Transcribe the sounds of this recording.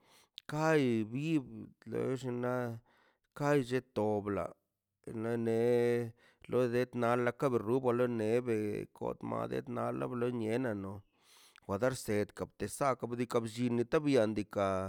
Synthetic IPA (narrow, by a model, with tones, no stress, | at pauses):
ka˦jbi˦blo̰˧˦ʃi˧na˦ | ka˦jd͡ʒe˧t̪o˨bla̰˨ | na˧ne˨ | lʔo˦d̪e˦t̪na˧lːa˧ka˦be˧ɾu˦ba˧lo˦ne˨be˨kʰo̰˨t̪ma̰˧d̪ḛ˦t̪na˧˦lːa̰˦blo˦ɲe˦na˧no˨ | xʷa˨d̪a˦ɾse˨d̪ka˨b̚t̪e˨sa˦ka˧bd̪i˧ka˧bd͡ʒi˧ni˧t̪a˦bja˧nd̪i˧ka˨